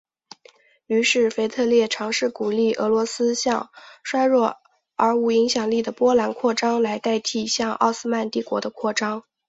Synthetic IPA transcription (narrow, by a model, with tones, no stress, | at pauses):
y˧˥ʂɻ̩˥˩fe˧˥ɪt̪ʰɤ˥˧ljɛ˥˩ʈ͡ʂʰɑ˧˥ŋʂɻ̩˥˩ku˨˩li˥˩ʔɤ̰˧˥lwɔ˧˥sɹ̩˥ɕjɑ˥˧ŋʂwa˥ɪɻwɔ˥˩ | ə˞˧˥u˧˩i˧˥ŋɕjɑ˨˩ŋli˥˩d̪ə˩pwɔ˥la˧˥nkʰwɔ˥˩ʈ͡ʂɑ˥ŋla˧˥ɪt̪a˥˧ɪt̪ʰi˥˩ɕjɑ˥˧ŋɑ̰˥˧ʊsɹ̩˥ma˥˧nt̪i˥˩kwɔ̰˧˥d̪ə˧kʰwɔ˥˩ʈ͡ʂɑ˥ŋ